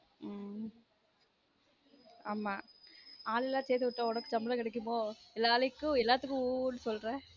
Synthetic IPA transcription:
aːmaːaːlɛlːãːseːt̪ɯʋɪʈːɐ̃ɔɽɐkːɯd͡ʒɐmːbɪlãkɪɽɛk̬ːɯmoːɛlːaːlɪkːʊ̃ɛlːaːt̪ɯkːʊ̃nːɯsɔlːɾɛ̃ː

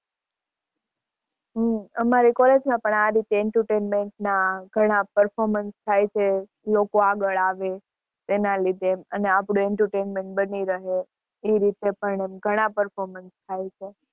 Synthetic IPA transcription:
ɦəmaɾikɔled͡ʒmãpəɳ̃aɾit̪eɛɳʈəɾʈenmeɳʈnaɡʱəɽ̃apəɾfɔɾmənst̪ʰajt͡ʃʰe | lokoaɡəɭaʋe | t̪enalid̪emə̰neapɽũɛɳʈəɾʈenmẽɳʈ̚bəniɾəɦe | eɾit̪epəɳemɡʱəɽ̃apəɾfɔɾmənst̪ʰajt͡ʃʰe

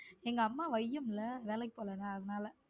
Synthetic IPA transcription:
ɛŋɡɐɐmːaːʋɐjːɯmɪlːɐʋeːlɛk̬ːɪpoːlɛːnaːɐðɐnaːlɐ

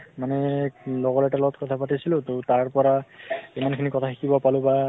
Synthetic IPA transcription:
manɛlɔɡɔɹɛtalɔɡɔtkɔtʰapatisilʊ̃totaɹpɔɹaimankʰinikɔtʰaxikibɔpalʊ̃ba

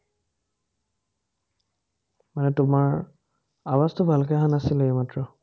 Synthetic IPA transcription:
manɛtʊmaɹ | abastɔbʱalk̬ɛɦanasilejmatɹɔ

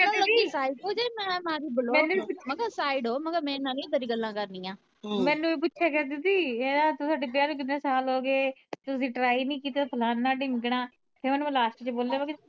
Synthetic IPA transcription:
kɛəiːsaːiɖod͡ʒeːmɛ̃ːmãːɾiːbəlomɛːnũːʊməɡəsaːɪɖoːməɡəɾmɛ̃ːɪnaːlĩːd̪əɾiːɡəlːãːkəɾnĩːãː | mɛ̃ːnũːeːp̬ʊtːʃʰɛːkɛːd̪ɪt̪iːeːd̪aːt̪ʊsaːɖiːp̬jaːɾũːk̬ɪnnẽːsaːlɦoːɡeːt̪ʊsĩːʈɾaːinĩːkiːt̪apʰəlaːnːaːɖiːmɪɡɳãː | t̪ʰeɾmɛːnːũːlaːsʈt͡ʃboːlːaːəɡ

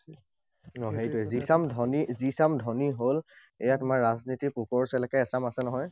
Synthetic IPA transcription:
nɔɦejtʊɛzisamdʱɔnizisamdʱɔniɦol | ḛjatʊmaɹːaznitipukɔɹsɛlɛkɛɛsamasɛnɔɦɔj

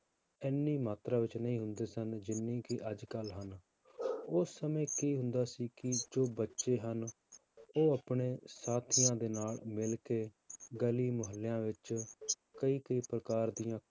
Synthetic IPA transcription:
ɪnːiːmaːt̪ɾaːʋɪt͡ʃnəĩːɦʊnd̪eːsənd͡ʒɪnːĩːkɪʔəd͡ʒkəlɦən | ʊsːəmẽːkiːɦʊ̃nd̪aːsiːkɪd͡ʒoːbətːʃeːɦən | oːəpɳeːsaːt̪ʰijãːd̪eːnaːlmɪlkeː | ɡəliːməɦəlːejãːʋɪt͡ʃ | kəiːkəiːpɾəkaːɾd̪ijãː

